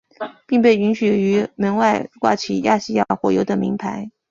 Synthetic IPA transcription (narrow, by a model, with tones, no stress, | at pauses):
pi˥˧ŋp̬e˥˩ɪy˧˥nɕy˨˩y˧˥mə˧˥nwa˥˧ɪkwa̰˥˩t͡ɕʰḭ˨˩ja̰˥˩ɕi˥˧ja˥˩xwɔ̰˧˥˩jo˧˥ʊd̪ə˩mḭ˧˥ŋpʰa˧˥ɪ